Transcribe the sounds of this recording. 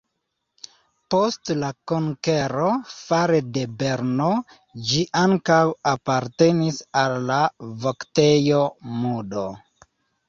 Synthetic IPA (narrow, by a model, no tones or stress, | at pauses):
po̞stlakoŋkeɾofaɾede̞be̞ɾno | d͡ʒiʔaŋkawapaɾte̞nisalːavokte̞jomudo